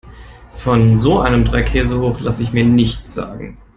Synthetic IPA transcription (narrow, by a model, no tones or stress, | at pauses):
fɔnzoːʔaɪnəmdʁaɪkʰɛːzəhoːχlasəɪçmiːɐnɪçt͡sz̥a̰ːɡŋ̩